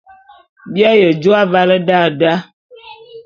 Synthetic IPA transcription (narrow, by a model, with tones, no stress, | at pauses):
bja˦jə˨d͡ʒo˦a˦va˦lə˦da˦˨da˦